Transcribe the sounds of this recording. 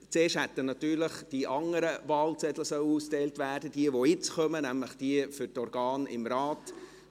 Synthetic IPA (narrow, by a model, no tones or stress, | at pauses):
t͡seːʃthɛt̪ːənɑt̪yːɾləχd̥iʔɑŋəɾəvɑːlt͡sɛd̪ləsœwuːstɛɪltvæːrd̥əd̥iəʋoɪt͡sχœmənæmləχd̥iəfʏɾtɔɾɡɑːnɪ̰mɾɑːt